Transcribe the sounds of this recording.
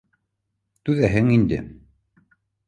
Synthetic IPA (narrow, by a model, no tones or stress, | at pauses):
t̪ʉðæɦɘŋind̪ɘ̰